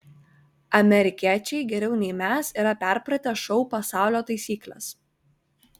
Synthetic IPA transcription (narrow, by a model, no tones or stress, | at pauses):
ɐmʲɛɾʲɪkʲiɛt͡ʃʲɛɪɡʲɛɾʲɛʊnʲɛɪmʲæːsiːɾɐpʲɛˑɾpɾɐt̪ʲɛʃɔʊpɐsɑˑʊlʲoːt̪ɐɪsʲiːklʲɛ̰s